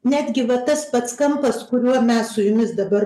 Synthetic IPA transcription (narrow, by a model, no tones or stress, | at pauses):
nʲæːd̪ʲɡʲɪʋɐt̪ɐspɐt̪skɐmpɐskʊɾʲuɔmʲɛssʊjʊmʲɪsd̪ɐbɐr